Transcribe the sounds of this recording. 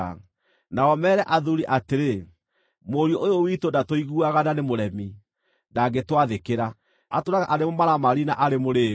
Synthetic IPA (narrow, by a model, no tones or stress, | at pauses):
a | naɔmɛːɾɛʔaðuɾiʔateɾe | moɾiɔʔojowitondatoiɣuaɣananemoɾɛmi | ndaɡetwaðekeɾa | atoɾaɣaʔaɾemomaɾamaɾinaʔaɾemoɾeː